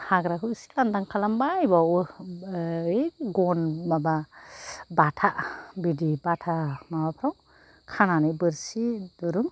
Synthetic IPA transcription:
haɡɾakʰɯsi̥landaŋkʰalambajbaw | eɡɔnmaba | batʰaʔbidibatʰamabapʰɾaw | kʰananibɯɾsidɔɾɯŋ

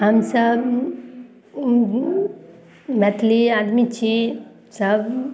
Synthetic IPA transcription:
ɦɐmsəb | mɛt̪ʰliad̪mit͡ʃʰi | səb

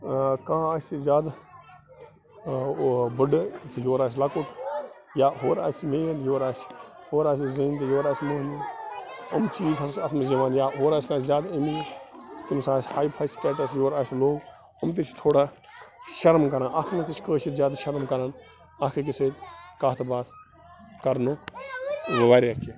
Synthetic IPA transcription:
kãːaːsʲizʲaːd̪ | bəɖt̪ʰjoːɾaːs̬ʲlɐkut̪ | jaːɦoːɾaːsmeːnjoːɾaːs | hoːɾaːs̬izint̪joːɾaːsmoːni | əmt͡ʃiːzɐat̪ʰmɐzɐʋaːnjaːɦoːɾaːsʲkãːzjaːd̪aimit̪imsaːshaːjpʰaːjsʈeːʈɐsjoːɾaːsloːɡ | ɐmt̪̬it͡ʃʰt̪ʰoːɽaː | ʃɐɾmkɐɾãːnʔɐt̪ʰmɐt̪it͡ʃʰkəːʃʰit̪zʲjaːd̪aʃɐɾmkɐɾaːn | ɐkʰek̬ɪsekaːt̪ʰbaːt̪ʰ | kɐɾno | ʋɐʋaːɾiɐkʰe

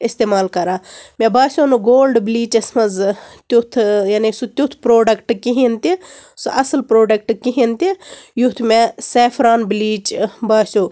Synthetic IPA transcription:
ist̪eːmaːlkɐɾaːmʲẽbaːsʲonuɡoːlɖbliːt͡ʃɐsmɐzt̪ut̪ʰjaːnisut̪ʲut̪ʰpɾoːɖɐkʈkiɦint̪isuʔɐsəlpɾoːɖɐkʈkiɦint̪ijut̪ʰmeseːfʰɾaːnbliːt͡ʃbaːsʲu

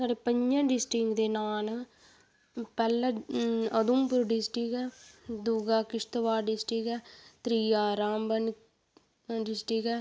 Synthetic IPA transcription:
saːɖeːpəɲd͡ʒãɖɪsʈɪŋɡd̪eːnaːl | pɛlːəəd̪umpʊɾɖɪsʈɪkɛd̪uɡaːkɪʂt̪ʋaːɖɪsʈɪkɛːt̪ɾiːjaːɾaːmbən | ɖɪsʈɪkɛ

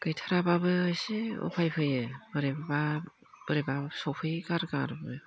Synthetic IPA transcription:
kɯjtʰaɾababɯːsiɔ̰pʰajpʰɯjɯb̥ɯɾebaba | b̥ɯɾebasɔwpʰɯjkaɾɡaɾbɯ

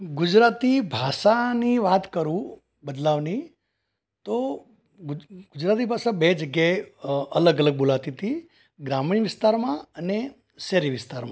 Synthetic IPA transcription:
ɡʊd͡ʒɾat̪ibʱaʃaniʋat̪kəɾũ | bəd̪laʋni | t̪o | ɡɡ̥ʊd͡ʒɾat̪̬ibʱasabed͡ʒəɡjaeələɡələɡ̚bolat̪it̪ʰi | ɡɾamɳĩʋɪst̪aɾmãəne | ʃɛɾiʋɪst̪aɾmã

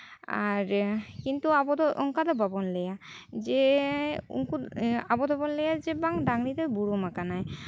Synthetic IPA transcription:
a̰ɾkint̪uabɔd̪ɔŋkad̪ɔbabɔnleja | d͡ʒe | ṵŋkuabɔd̪ɔbɔnlejad͡ʒebaŋdaŋɾit̪ebuɾomakanaj

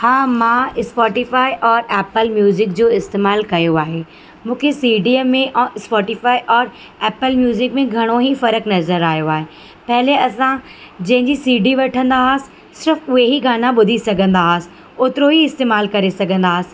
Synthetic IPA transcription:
haːmãːɪspɔːʈifaːiʔɔːɾɛːpəlmjuːzɪkd͡ʑoːɪst̪eːmaːlkɐjoaːɦe | mũːkʰesiːɖiəmːẽʔspɔːʈifaːiʔɔːɾ | ɛːpəlmjuːzɪkmẽɡʱɐɽ̃oɦifɐɾəknɐzəɾaːɦijoaːɦe | pɐɦɪleɐsã | d͡ʑɐ̃ɦɪ̃ɲd͡ʑisiːɖiʋɐʈʰə̃nd̪aɦsɪ̥̆ | sɪɾfʊɦeɦiɡaːnaɓʊd̪ʱisɐɡʱə̃nd̪aɦsɪ̥ | ʊt̪ɪɾoɦiɪst̪eːmaːlkɐɾesɐɡʱə̃nd̪aːɦsɪ̥̆

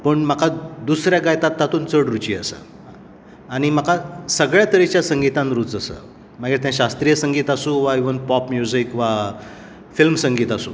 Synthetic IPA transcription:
pəɳməkʰad̪usɾjaɡajt̪at̪ːat̪ʰuːnt͡səɽɾut͡ɕiːə̰sə̰ | aɽ̃im̤əkʰasəɡɭjat̪əɾet͡ɕjasəŋɡit̪ãnɾuːt͡səsə̰ | maɡiɾt̪jãɕast̪ɾijəsəŋɡiːt̪asũːʋaiʋənpɔpmjuzikʋa | filmsə̃ŋɡiːt̪asṵː

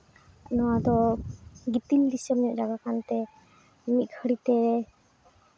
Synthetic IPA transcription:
nɔwad̪ɔ | ɡit̪ild̪isəməʔ̚d͡ʒaɡakant̪ɛ | mit̪̚kʰəɽit̪ɛɾɛ

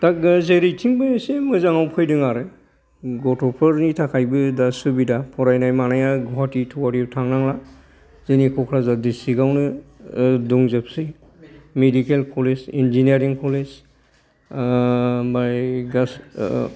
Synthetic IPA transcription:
tak̚zeɾijtʰiŋbɯsemɯzaŋawpʰɯjdɯŋaɾɯ | ɡɔtʰɔpʰɯɾnitʰakʰajbɯdasubidapʰɔɾajnajmanajaɡɔɦatitʰɔwaɾitʰaŋnaŋla | zenikʰɔkʰɾazadisiɡawnɯ | duŋzep̚sɯ | medikelkʰɔlesinziniaɾiŋkʰɔles | baɡas

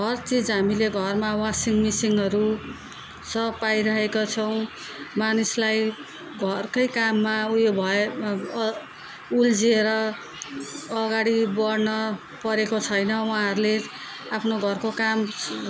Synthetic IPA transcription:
ɡʱʌrt͡sid͡zɦamileɡʱʌrmawasiŋmisiŋɦʌɾu | sʌpajɾʌɦekot͡sʰʌw̃ | manislaj | ɡʱʌrkʌjkamːauobʱʌe | uld͡zieɾʌ | ɡaɽibʌrnʌ | pʌɾekot͡sʰʌjnʌwãɦʌɾule | apʰnoɡʱʌrkokam

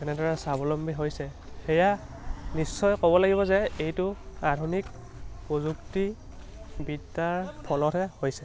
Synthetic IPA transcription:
kɛnɛdɔɹɛsabɔlɔmbiɦojsɛ | xeja | nisːɔjkɔbɔlaɡiβɔzɛejtʊadʱunik | pɹozukti | bitːaɹpʰɔlɔtʰɛhojsɛ

